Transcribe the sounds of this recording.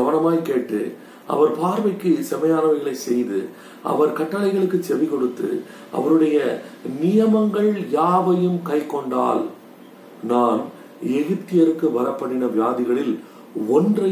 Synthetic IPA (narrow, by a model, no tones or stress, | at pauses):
ɐʋɐnɐmaːjkeːʈːɯ̰ | ʔɐ̰ʋɐɾpaːɾʋɐɪkːɯsɛmɐjaːnɐʋɐɣɐɭɐɪsɛjðɯ | ʔɐ̰ʋɐɾkɐʈːɐɭɐɪɣɐɭɯkːɯt͡ʃɛʋɪkɔɽɯt̪ːɯ̰ | ʔɐ̰ʋɐɾɯɽɐjɐnɪjɐmɐŋɡɐɭjaːʋɐjɯmkɐɪkːɔɳɖa̰ːl | naːn | ɛɣɯt̪ːɪjɐɾɯkːɯʋɐɾɐpːɐɳːɪnɐʋɪjaːðɪɣɐɭɪl | ɔndrɐ